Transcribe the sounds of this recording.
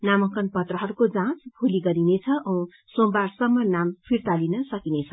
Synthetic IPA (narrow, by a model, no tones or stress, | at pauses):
namʌkʌnpʌt̪rʌɦʌɾukod͡zãt͡sbʰʱuliɡʌɾinet͡sʰʌʔʌ̃ | sombarsʌmːʌnampʰirt̪alinʌsʌkinet͡sʰʌ